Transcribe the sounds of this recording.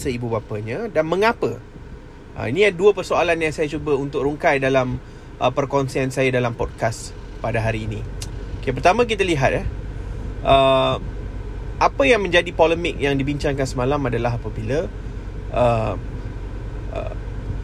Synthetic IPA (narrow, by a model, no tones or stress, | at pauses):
səibubapəɲãdanmə̃ŋapə | ʔə̰inijanduəpərsoalanjaŋsajat͡ʃubəunt̪ʊk̚ruŋkajdalam | ʔə̰pərkɔnsiansajadalampɔd̚kaspadaɦaɾiːnikepərt̪amãk̬it̪əliɦat̪̚ɛh | ʔə | ʔapəjaŋmə̃ɲd͡ʒadipoləmɪk̚jaŋdibiɲt͡ʃaŋkansəmalamadalaɦapəbilə | ʔə | ə̰